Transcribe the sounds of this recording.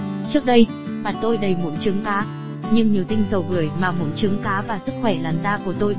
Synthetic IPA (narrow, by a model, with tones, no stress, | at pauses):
t͡ɕɨ˦˥ək̚ɗə˧j | maː˨˩t̪o˧jɗə˨˩jmṵ˧˥jt͡ɕɨ˨˦əŋkaː˨˦ | ɲɨ˧ŋɲi˨˩əwt̪ï˧ŋ̟zə˨˩wvɨ˨˧˩əjmaː˨˩mo̰˧˥˦jt͡ɕɨ˨˦əŋkaː˨˦vaː˨˩sɨ˦˥k̚xwɛ˧˩laː˨˩nzaː˧ku˧˩ət̪o˧j